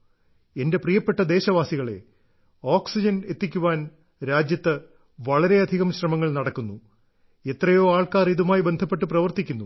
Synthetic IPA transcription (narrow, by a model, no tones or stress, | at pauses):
e̞nde̞prijɐpːe̞ʈːɐd̪e̞ːɕɐʋaːsiɣɐɭe̞̰ | oːksid͡ʑɐne̞t̪ːikʲːuʋaːn | ɾaːd͡ʑjɐt̪ːɨ | ʋɐɭɐɾe̞ɐd̪ʱiɣɐmɕrɐmɐŋːɐɭnɐɽɐkːunːu | e̞t̪rɐjo̞ːaːɭkaːriðumaːjbe̞nd̪ʱɐpːe̞ʈːɨprɐʋɐrt̪ikʲːunːu